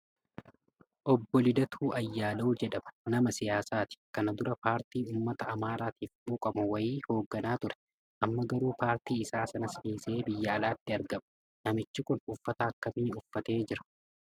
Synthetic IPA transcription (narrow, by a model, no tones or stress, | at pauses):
ʔɔbːɔlɪd̪ɐt̪ʰuːʔɐjːaːloːd͡ʒɛᶑɐmɐ̥nɐmɐsɪjaːsaːt̪ɪ̥kɐnɐd̪ʊɾɐpaːɾt̪iːuːmːɐt̪ɐːmaːɾaːt̪iːfɓuːkʼɐbʊwɐjiːho̞ːɡːɐnaːt̪ʊɾɛ̥ | ʔɐmːɐɡɐɾuːpaːɾt̪iːɪsaːsɐnɐsʔiːse̞ːbɪjːɐːlaːt̪ːɪɐɾɡɐmɐ̥ | nɐmɪt͡ʃːɪkʊnʊfːɐt̪aːɐkːɐmiːʊfːɐt̪e̞ːd͡ʒɪɾɐ̥